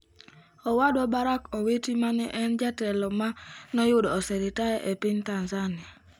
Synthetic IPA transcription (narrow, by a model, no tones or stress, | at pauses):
ɔwadɔbaɾakowitimanɛʔɛnd͡ʒatɛlɔmanɔjʊdɔːsɛɾitajɛʔepɪntanzanɪa